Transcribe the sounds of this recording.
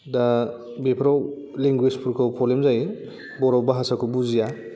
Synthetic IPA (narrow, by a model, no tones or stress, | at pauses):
da | bepʰɾaw | liŋɡwispʰuɾkʰɯwkʰɔlemzaj | bɔɾawbaɦasakʰubuzija